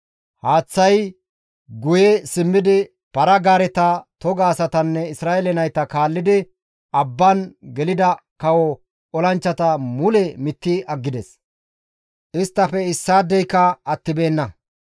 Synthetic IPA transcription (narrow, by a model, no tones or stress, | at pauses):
haːt͡sːɐj | ɡʊjɛsɪmːɪd̪ɪ | pɐɾɐɡaːɾɛt̪ɐt̪ɔɡaːsɐt̪ɐnːɛɪsɾaːɛlɛnɐjt̪ɐkaːlːɪd̪ɪ | ɐbːɐnɡɛlɪd̪ɐ | kɐwɔ | ɔlɐnt͡ʃːɐt̪ɐmʊlɛmɪt̪ːɪɐɡːɪd̪ɛs | ʔɪst̪ːɐpɛɪsːaːd̪ːɛjkːɐɐt̪ːɪbe̞ːnːɐ